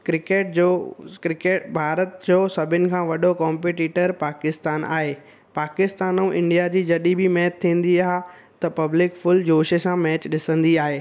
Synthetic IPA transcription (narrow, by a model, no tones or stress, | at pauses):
kɾɪkeːʈ̚d͡ʑokɾɪkeːʈbʱaːɾət̪d͡ʑoːsɐbʱɪnɪ̆kʰãːʋɐɗokɔ̃ːmpeːʈiːʈəɾpaːkɪst̪aːna̰ːɦeː | paːkɪst̪aːnũʔɪ̃ɳɖijad͡ʑiːd͡ʑɐɗibɪmɛːtt̪ʰːĩːnd̪iaːɦ | t̪ɐpɐblɪkfʊld͡ʑoːʃesãmɛːt͡ɕɗɪsə̃nd̪iaːɦeː